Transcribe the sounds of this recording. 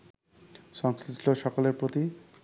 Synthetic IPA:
ʃɔŋskɾisʈʰoʃɔkoleɾpɾot̪i

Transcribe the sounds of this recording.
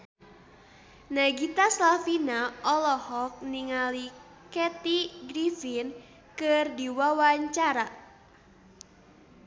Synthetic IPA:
naɡit̪aslafinaɔlɔhɔk̚niŋali | kɛt̪iɡɾifin | kɨrdiwawaɲt͡ʃaɾa

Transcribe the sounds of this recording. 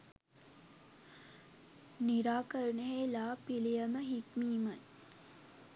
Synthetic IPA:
niɾaːkəɾunəɦeːlaːpilijəməɦikmiːmaj

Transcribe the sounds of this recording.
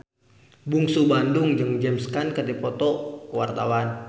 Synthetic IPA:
buŋsubandʊŋd͡ʒəŋd͡ʒɛmskankədipɔt̪ɔkwart̪a̰wan

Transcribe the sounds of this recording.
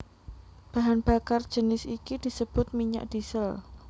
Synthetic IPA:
b̥aɦanb̥akar̥d͡ʒ̥ənɪsikid̥i̤səb̥ʊt̪̚miɲa̰ʔd̥isəl

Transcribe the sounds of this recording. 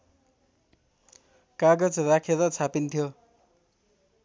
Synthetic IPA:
kaɡʌd͡zrakʰeɾʌt͡sʰapint̪ʰjo

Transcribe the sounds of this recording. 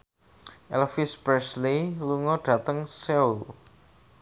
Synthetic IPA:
ʔɛlfɪsbɾɛsliluŋɔɖ̥ä̤t̪əŋsɛul

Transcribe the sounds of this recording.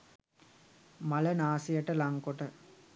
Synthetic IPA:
malənaːsijəʈəlaŋkoʈə

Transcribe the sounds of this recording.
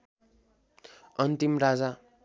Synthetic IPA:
ʌnt̪imrad͡za

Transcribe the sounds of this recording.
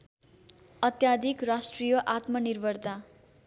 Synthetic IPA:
ʌt̪jad̪ʱikrasʈrijʌʔat̪mʌnirbʱʌrt̪a

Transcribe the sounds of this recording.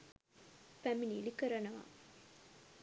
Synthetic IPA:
fæminilikəɾɐnɐʋa̰

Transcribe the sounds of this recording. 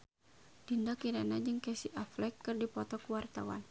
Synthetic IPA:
d̥indakiɾanad͡ʒɨŋkɛsiʔaflɛkːɨrdipɔt̪ɔkuwart̪awa̰n

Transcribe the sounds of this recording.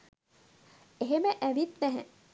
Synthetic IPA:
eɦeməʔæʋit̪næɦæ̰

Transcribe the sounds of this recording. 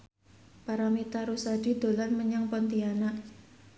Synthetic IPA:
paɾamit̪aɾusad̥i̤d̪̥o̤lanməɲaŋpɔnt̪ianaʔ

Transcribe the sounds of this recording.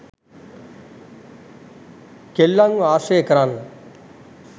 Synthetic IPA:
kelːaŋɡaːseːkɐɾaːn

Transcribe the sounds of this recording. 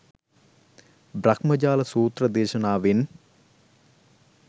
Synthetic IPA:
brɐkmɐd͡ʒaːlɐsuːt̪rɐd̪eːʃɐnaːʋin

